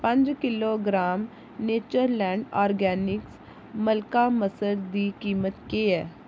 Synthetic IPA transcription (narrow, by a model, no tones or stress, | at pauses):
pə̃ɲd͡ʒkɪloːɡɾaːm | neːt͡ʃəɾlɛ̃ːɳɖaːɾɡɛːnɪks | məlkaːməsəɾd̪iːkiːmət̪keːɛː